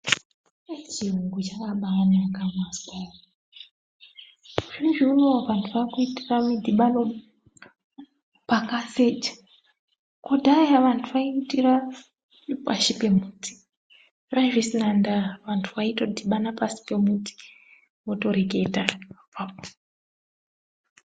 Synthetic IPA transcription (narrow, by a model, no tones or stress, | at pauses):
et͡ʃiuŋɡut͡ʃakaɓaːnakamaskaa | ʐ̥inʐiunoaʋantʰuʋakuitiramidʱiɓano | pakaset͡ʃḁ | kodʱajaʋantʰuʋaiitira | pa̰ʃipe̞muːtʰi̥ | raʒisinandaʋantʰuʋaitodʱiɓanapasi̥pe̞muti̥ | woto̞ɾeɡe̞ta | pap̚o